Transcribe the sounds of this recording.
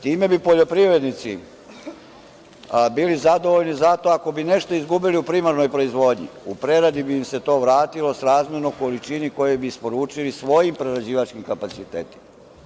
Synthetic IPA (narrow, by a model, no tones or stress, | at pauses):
t̪iːme̞bipoʎo̞pɾivɾe̞d̪nit̪si | biːlizad̪o̞ʋoʎnizat̪o̞ako̞bine̞ʃt̪oizɡubiliupɾimaɾno̞jpɾo̞izʋo̞ːd̪ɲḭupɾe̞ɾad̪ibiːmse̞t̪o̞ːʋɾaːt̪ilˠo̞sɾaːzmʲjeɾnoko̞lit͡ʃiniko̞jebiispo̞ɾuːt͡ʃilisʋo̞jimpɾeɾad͡ʑiːʋat͡ʃkimkapat̪sit̪ḛːt̪i̥ma